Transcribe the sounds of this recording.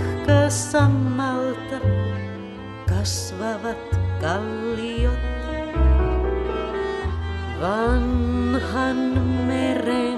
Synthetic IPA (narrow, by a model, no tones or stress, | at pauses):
kɑsɑmːɑlt̪ɑ | kɑsʋɑʋɑt̪kɑlːijot̪ | ʋɑnhɑnmeɾe